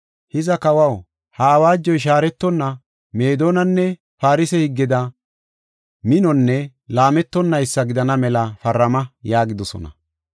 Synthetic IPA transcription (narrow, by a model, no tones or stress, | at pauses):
hɪzɐkɐwɐw | hɐːwaːd͡ʒːɔjʃ̬aːɾɛt̪ːɔnːɐ | me̞ːd̪oːnɐnːɛ | faːɾɪsɛhɪɡːɪd̪ɐ | mɪnɔnːɛ | laːmɛt̪ːɔnːɐjɪsːɐɡɪd̪ɐnɐmɛlɐfɐrːɐmɐjaːɡɪd̪ɔsɔ̰nɐ̰